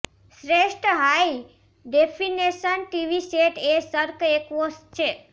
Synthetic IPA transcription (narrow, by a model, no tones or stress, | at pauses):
sɾeʂʈɦaj | ɖepʰinesənʈiʋiseʈesəɾkekʋost͡ʃʰe